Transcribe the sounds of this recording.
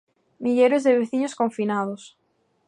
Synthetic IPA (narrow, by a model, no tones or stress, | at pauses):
miʎeɾezðeβ̞eθiɲoskoɱfinað̞os